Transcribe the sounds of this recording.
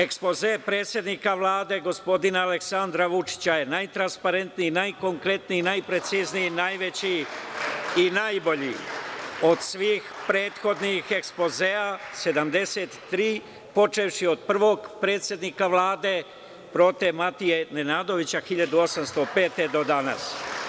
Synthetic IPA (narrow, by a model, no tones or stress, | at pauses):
e̞kspo̞zepɾe̞ːt̪sje̞d̪nikaʋlaːd̪e̞ɡo̞spo̞d̪inaːle̞ksand̪ɾaʋut͡ʃi̥t͡ɕaje̞najt̪ɾanspaɾe̞nt̪niinajko̞ŋkɾe̞t̪ninajpɾe̞t̪siznijinajʋe̞t͡ɕi | inajbo̞ʎḭ | o̞d̪sʋiːxpɾe̞ːt̪xo̞d̪nixe̞kspo̞zease̞d̪amd̪e̞set̪ːɾiː | po̞t͡ʃe̞fʃio̞d̪̚pr̩ʋo̞ːɡpɾe̞ːt̪sje̞d̪nikaʋlˠaːd̪e̞ | pɾo̞t̪emat̪ije̞nenaːd̪o̞ʋit͡ɕaxiʎad̪uo̞samst̪o̞pe̞ːt̪e̞d̪o̞d̪ana̰s